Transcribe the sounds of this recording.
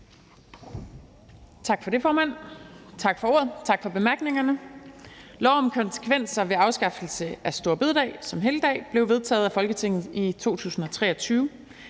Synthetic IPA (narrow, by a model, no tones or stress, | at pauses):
t͡sʰɑ̈ɡ̥fɒ̽ɾe̝fɒːmæn̰t͡sʰɑ̈ɡ̥fɒ̽o̝ɐðˠt͡sʰɑ̈ɡ̥fɒ̽b̥e̝mæɐɡ̥ne̝ŋɐnə | lɒʊ̰mkʰɒ̽nsə̥kʰʋen̰sɐʋe̝ɑ̈ʊsɡ̥ɑ̈fl̩səæsd̥o̝ːɐb̥e̝ðˠd̥ɛ̰ːsɒ̽mɦe̝ːləd̥ɛ̰ːb̥le̝ʊʋe̝ð̞ˠt͡sʰɛ̰ːð̞̩ˠæfɒ̽lɡ̥ət͡sʰe̝ŋ̰ð̞̩ˠit͡sʰo̝̰ːt͡sʰṵːsn̩ɒ̽t͡sʰʁɛ̰ːɒt͡sʰyːʊ